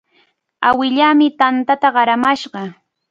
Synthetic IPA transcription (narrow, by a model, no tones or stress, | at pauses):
awɪʎaːmɪt̪ant̪at̪aɢɑɾamaʃɢɑ